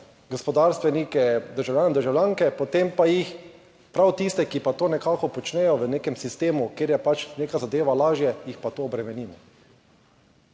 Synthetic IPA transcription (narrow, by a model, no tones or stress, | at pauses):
ɡɔspɔd̪aɾst̪ʋɛnikɛd̪əɾʒawljaːnɛd̪əɾʒawlʲjaːŋkɛpɔt̪empajix | pɾawt̪iːst̪ɛkipat̪oːnɛkaːkɔpɔt͡ʃnɛjɔʋəneːkɛmsist̪eːmukeːɾjɛpat͡ʃneːkazad̪eːʋalaːʒjɛjixpat̪oːbɾɛmɛniːmɔ